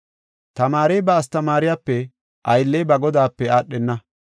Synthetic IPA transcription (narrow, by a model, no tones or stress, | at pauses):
t̪ɐmaːɾɛjbɐːs̬t̪ɐmaːɾɪjaːpːɛ | ʔɐjlːejbɐɡɔd̪aːpːɛaːɗːɛnːɐ